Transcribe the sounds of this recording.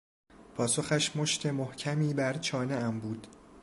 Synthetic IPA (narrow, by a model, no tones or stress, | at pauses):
pʰɒːso̞xæʃmo̞ʃt̪ʰe̞mohcʰæmiːbæɾt͡ʃʰɒːneʔæmbuːd̪̥